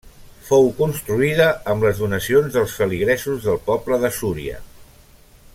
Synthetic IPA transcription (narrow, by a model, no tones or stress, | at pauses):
fowkunst̪ɾuiðəːmləzðunəsionzðəlˠsfəliɣɾɛsuzðəlˠpɔpləðəsuɾḭə̰